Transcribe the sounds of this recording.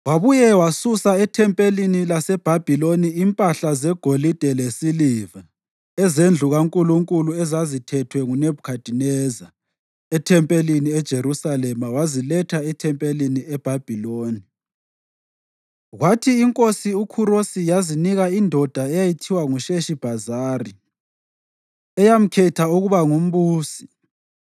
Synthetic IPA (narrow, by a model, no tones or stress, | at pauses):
waβujɛwasusaɛtʰɛmpʼelinilasɛb̥ʱab̥ʱiloniimpʼaɬazɛɡ̥ʱolid̥ʱɛlesiliva | ɛzend͡ɮʱuɣaŋkʼuluŋkʼuluɛzazitʰɛtʰwɛŋunebukʰad̥ʱinɛza | ɛtʰɛmpʼeliniɛd̥ʒ̥ʱeɾusalɛmawazilɛtʰaɛtʰɛmpʼeliniɛb̥ʱab̥ʱiloːni | ɣwatʰiːŋkʼosiukʰuɾosijaziniɣaindʱɔd̥ʱaɛjajitʰiwaŋuʃeʃib̥ʱazaːri | ɛjam̩kʰɛtʰauɣuβaŋum̩βuːsi̥